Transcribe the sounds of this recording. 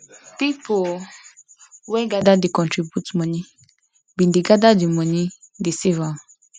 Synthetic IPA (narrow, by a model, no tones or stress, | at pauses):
pipo | wɛɡadadikɔ̃ntɹibjutmɔ̃ni | bĩndiɡadadimɔ̃ni | desiva